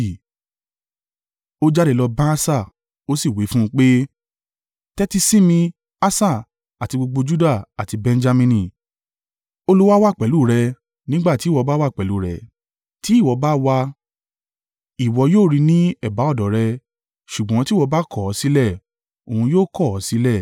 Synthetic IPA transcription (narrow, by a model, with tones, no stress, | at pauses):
o˦d͡ʒa˦ɾe˧˨lɔ˧bã˦sa˦˨ | o˦si˦˨wi˨˦fũ˦˧k͡pe˦ | tɛ˦ti˧sĩ˦mĩ˧ | a˦sa˦˨ | a˨ti˧ɡ͡bo˧ɡ͡bo˧d͡ʒu˦da˦˨a˨ti˧bɛ̃˧n˦d͡ʒa˧mĩ˧nĩ˨ | o˧lu˦wa˦wa˦˨k͡pɛ˨˦lu˦˨ɾɛ˧ | nĩ˦ɡ͡ba˦˨ti˨˦˨wɔ˧ba˦wa˦˨k͡pɛ˨lu˨˦˨ɾɛ˨ | ti˨˦i˦˨wɔ˨˧ba˦wa˧ | i˨wɔ˧joː˦˨ɾi˧nĩ˦ɛ˦˨ba˨˦ɔ˦˨dɔ˨˦ɾɛ˧ | ʃu˨ɡ͡bɔ̃˨˦ti˦wɔ˧ba˦kɔ˦˨ɔ˨˦si˦lɛ˦˨ | o˨hũ˧joː˦˨kɔ˦˨ɔ˨˦si˦lɛ˦˨